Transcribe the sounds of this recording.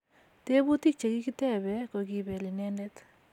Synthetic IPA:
te˦bu˦ti˦k̚t͡ʃe˨ki˦ki˦te˦bɛ˨ko˨ki˨be˨li˨nɛ˦nde˦t

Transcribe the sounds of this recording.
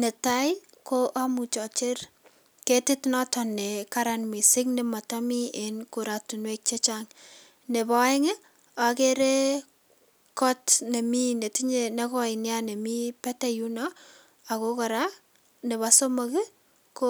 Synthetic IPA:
ne˨ta˦j | ko˦ʔa˦mu˨t͡ʃɔ˨t͡ʃe˦r | ke˦tɪ˦tnɔ˦tɔnːe˨ka˦ɾanmi˨sɪ˦kne˨ma˨tamienko˨ɾa˨tu˨nwek̚t͡ʃe˦t͡ʃaŋ | ne˨bɔ˨e˦ŋe˦ | a˨keɾe˦ | kɔ˦tne˨mi˦ne˨ti˦ɲene˦kɔɪnjane˨mi˦pɛ˦tɛ˦ju˦nɔ | a˨ko˦kɔ˨ɾa˦ | ne˨βa˦so˦mo˨kɪ˦ | ko

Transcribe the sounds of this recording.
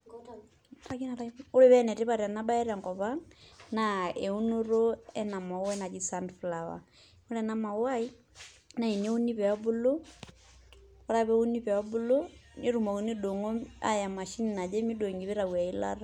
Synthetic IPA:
aki˦na˨ɾao˦ɾe˦βɛ˦nɛ˨te˦βa˨ɾja˨na˦ba˦e˦ɾa˨ŋkɔ˨βaŋnae˨u˦nu˦ɾoɛ˦na˨mɔ˨˦wɛna˨ki˦sandflawa̰˨ | o˦lɛna˦ma˨wa˦i | na˨i˨ne˦u˦ni˦pɛa˦bu˦lo˦ | ka˦ɾa˦βɛ˦u˦ni˦pɛ˨ɔ˦bu˦lo˦ni˦ɾu˨mɔ˨ku˨ni˦do˨ŋo˦a̰˦ja˨ma˨ʃi˦ni˨na˨d͡ʒe˦mi˦do˨ŋɡi˨βe˦ɾa˨wa˨i˦la̰ɾa

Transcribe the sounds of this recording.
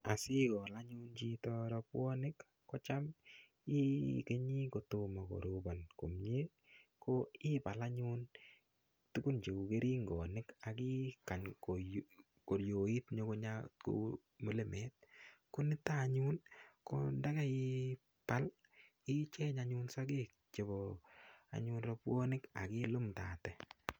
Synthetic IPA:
a˨sɪ˦kɔ˨la˦ɲʊ˦nt͡ʃi˧tɔɾɔ˧pwɔ˦nɪ˦kː | ɔ˦t͡ʃa˦m | i˦ke˦ɲi˦ko˨to˨ma˨ko̰˨ɾuba˨nko˨mɲe˦ | koɪ˦pa˨la˦ɲuː˦n | tu˦ku˦nt͡ʃe˨ku˨ke˦ɾiː˦ŋɡɔ˨nɪ˦ka˨ki˦ka˨ɲko | ko˨ɾjo˨i˦tɲo˦ko˦ɲako̰ | mo˨le˦mɛ˦t̚ko˦nɪ˦ta˦˨ɲu˦nko̰˦nda˦kɛ˦i | pa˦l | ɪ˦t͡ʃɛ˦ɲaɲu˦nsa˦ke˦˨k̚ | t͡ʃe˨bɔ˨a̰˨ɲunrɔ˦pwo˦nɪ˦ka̰˨kɪ˦lo˦mtaː˨tɛ˨

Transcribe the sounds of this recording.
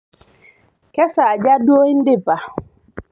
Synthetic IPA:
kɛ˦sa˨d͡ʒa˦do˦hi˦n˦dɪ˦ba˨

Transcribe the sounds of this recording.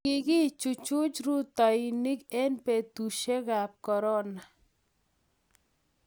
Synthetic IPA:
ɪ˨ɡɪ˦t͡ʃu˨t͡ʃʊ˦t͡ʃɾu˦t̪a˨i˨ni˦kɛ˦npe˨t̪u˨ʃe˦ɣa˨p̚kɔ˨ɾɔ˦na˨

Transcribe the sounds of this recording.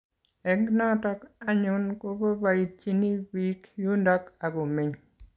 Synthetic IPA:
ɛ˦ɡnɔ˦tɔ˦ka˦ɲʊ˦nko˦bo˦ba˨i˨t͡ʃi˦ni˦wi˦kju˦ndɔ˦ka˨ɡo˨mi˨ɲ

